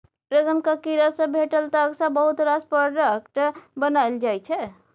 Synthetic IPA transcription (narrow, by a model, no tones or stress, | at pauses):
ɾəzəmkəkiɾəsə̃bʱeʈəlt̪əəksabəɦut̪ɾaspəɖəkʈbənajld͡ʒajt͡ʃʰɛ